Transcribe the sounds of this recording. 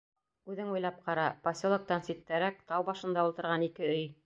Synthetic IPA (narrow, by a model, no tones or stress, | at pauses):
ʉðɘŋujlˠɑp̚qɑɾɑpɐsʲolˠɤ̆k̚t̪ɑnsit̪ːæɾæk̚t̪ɑwbɑʃɤ̆nd̪ɑulˠt̪ɤ̆ɾʁɑnikɘɵj